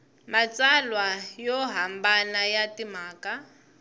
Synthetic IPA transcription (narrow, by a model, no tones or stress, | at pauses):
mat͡sʼalwajɔɦambanajatimaːka